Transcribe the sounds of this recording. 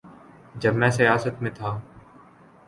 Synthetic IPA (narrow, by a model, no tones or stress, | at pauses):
d͡ʒəbmɛ̃ːsəjaːsət̪mẽːt̪ʰaː